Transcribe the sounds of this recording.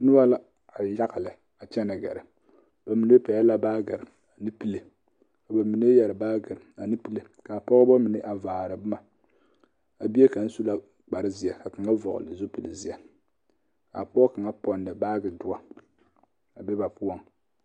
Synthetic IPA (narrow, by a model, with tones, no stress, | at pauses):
nʊ˦ba˦la˦ | a˨ja˦ɣa˨lɨ˨ | a˨t͡ʃɛ˦na˨ɡa̰˨ɾɨ˨ | b̥a˨mi˨ne˦pa˨jɛ˦la˦baː˦ɡɨ˨ɾɨ˨ | a˨nɨ˦pi˦le˨ | ka˨ba˨mi˨ne˦jɛ˨ɾɨ˨baː˦ɡɨ˨ɾɨ˨a˨nɨ˦pi˦le˨ | ka˨pɔ˦ɣɨ˦ba˦mi˨nɨ˦ʔa˨vaː˨ɾɨ˨bɨ˦ma˨ | a˨bi˦e˦ka˨n̩˦su˦la˦ | k͡pa˨ɾɨ˦zi˨ɛ˨ka˨kɨ˨ŋa˦vɔ̰˨ɣʊ̰˨lɨ˨zʊ˦pɨ˨lɨ˨zi˨ɛ˨ | ka̰˨pɔ˦ɔ˦ka˨ŋa˦pɔ˦nːɨ˨baː˦ɡɨ˨dʊ˦a˦ | a˨bɛ˦ba˨pu˦ɔ˦ŋ